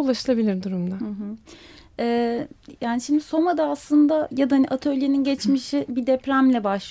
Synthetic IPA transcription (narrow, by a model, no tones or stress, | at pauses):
ulˠaʃɯlˠabilʲiɾd̪uɾumd̪aɯ̃ɦɯ | ɛːjaːniʃimd̪iso̞mad̪aːslˠɯnd̪ajad̪ahaniʔat̪ʰø̞lʲjeninɟɛt͡ʃmiʃibid̪ɛpɾæmlʲɛbaʃlˠ